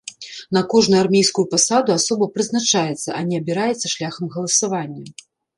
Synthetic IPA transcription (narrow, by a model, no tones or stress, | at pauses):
nɐkɔʐnujarmʲejskujupasad̪uasɔbɐpɾɨznat͡ʂajɛt̪sːɐʔɐnʲɛɐbʲiɾajɛt̪sːɐʂlʲaxɐmɣɐlˠɐsavanʲːɐ